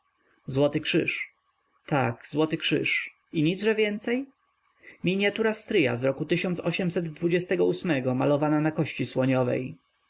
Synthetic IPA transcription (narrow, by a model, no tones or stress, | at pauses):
zwɔt̪ɘkʂɘ̰ʂ | t̪akzwɔt̪ɘkʂɘ̰ʂ | iɲid̪zʐɛvʲjɛnt̪sɛj | mʲiɲjat̪uɾast̪ɾɘja̰zɾɔkut̪ɘɕɔnt̪sɔɕɛmsɛd̪ːvud͡ʑɛst̪ɛɡɔusmɛɡɔmalɔvananakɔɕt͡ɕiswɔɲɔvɛ̰j